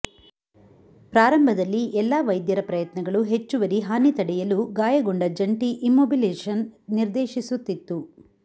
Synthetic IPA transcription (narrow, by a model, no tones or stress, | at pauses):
pɾaːɾɐmbʱɐd̪ɐlːiʔɛlːaːʋɐjd̪jɐɾɐpɾɐjɐt̪nɐɡɐɭuɦet͡ʃːuʋɐɾiɦaːnit̪ɐɽɛjɐluɡaːjɐɡoɳɖɐd͡ʒɐɳʈiʔimːoːbileːʂɐnniɾd̪eːʃisut̪ːit̪ːu